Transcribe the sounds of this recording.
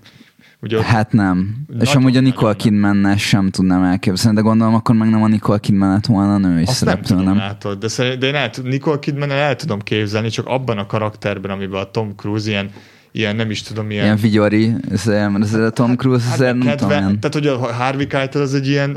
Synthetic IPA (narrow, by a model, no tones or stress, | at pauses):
uɟɛhat̪nɛmeːʃɒmuːɟɒniko̞lkind̪mɛnːɛʃɛmt̪ud̪naːmɛlkeːbzɛlnid̪ɛɡo̞nd̪o̞lo̞mɒkːo̞rmɛɡnɛmɒniko̞lkind̪mɛnːɛt̪ʋo̞lnɒːnøːisɛɛmpløːnɛmaːt̪od̪d̪ɛsɛɾid̪ɛeːnɛlt̪uniko̞lkinmɛnːɛɛlt̪ud̪o̞mkeːbzɛlnit͡ʃɒkɒ̰bːɒnɒkɒɾɒkt̪ɛrbɛnɒmibɛt̪o̞mkruːziɛn | ḭjɛnːɛmiʃt̪ud̪o̞mijɛiɛɱviɟo̞ɾiɛzemɛɾɛzeːɾɒt̪o̞mkruːzɑzeːrnɛmt̪ud̪oiɛnaːt̪hoɟɒɦɦaːrvikajt̪olɒzɛɟːiɛn